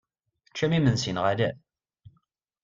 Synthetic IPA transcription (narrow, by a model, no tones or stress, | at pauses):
θət͡ʃːæmimənsinʁalæ